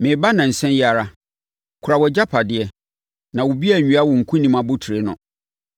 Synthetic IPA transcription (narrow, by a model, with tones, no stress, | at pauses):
mɪ̃˨˦ba˦nã˨n̩˨sɛ̃˦nja˨ɾa˦ | kʰʊ˨a˨wɔ˨d͡ʑa˦pʰa˨dɪ˨ɛ˨ | nã˨wʊ˨bi˦æ˨ɲᶣũ˨˦a˦wɔ̃˨ŋ̩˨kʰũ˦nĩ˦mã˨bʊ˦tʰɾe˨˦nʊ̰̃˨